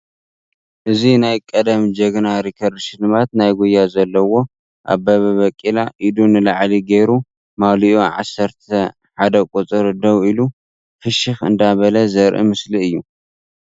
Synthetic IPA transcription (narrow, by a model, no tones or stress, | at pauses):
ʔɨzinajkʼɐd̪ɐmd͡ʒɐɡnaɾikʰɐɾʃɪnɨmat̪najɡujazɐlːɐwo̞ | ʔa̰βbɐβɐβɐkʼːilaʔid̪unɨlaʕliɡejɾu | maliʔuʕa̰sːɐɾt̪ʰɐ | ħad̪ɐkʼut͡sʼɨɾɨd̪ɐβilu | fɨʃɪxɨ̰nd̪aβɐlɐzɐɾʔḭmɨsliɨjːu